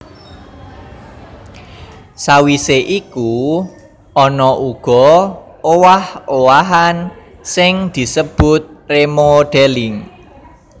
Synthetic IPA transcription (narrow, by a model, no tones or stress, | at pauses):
sawiseʔiku | ɔnɔʔuɡ̥ɔ̤ | owahowaɦan | sɪŋd̪̥i̤səb̥ʊt̪̚remoɖ̥elɪŋ